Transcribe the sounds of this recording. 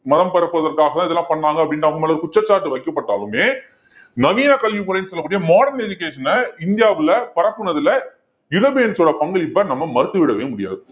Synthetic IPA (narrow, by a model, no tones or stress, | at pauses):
mɐðɐmpɐɾɐpːɯɐðɐɾkaːɣɐt̪ãːɪðɐɛlːãːpɐɳːaːŋɡɐpːɽɪnɖaːɣɯmɐlːɐɾɯkʊt͡ʃːɐt͡ʃːaːʈːɯʋɐɪkːɐpːɐʈːaːlɯmeː | nɐʋiːnaːkɐlʋipɔːlɐjnːɯsɔlːɐkːuːɽɪjɐmaːɽɐɾnɛd͡ʒʊkːeːʂɐnɐɪnd̪ɪjaːʋɪlɐpɐɾɐpːɯɳɐðɪlɐ | ɪɾɐbɪjɐnsoːɽɐpɐŋɡɐɭɪpːɐːnɐmːɐmɐɾɯt̪ːɯʋɪɽɐʋḛːmʊɽɪja̰ːðɯ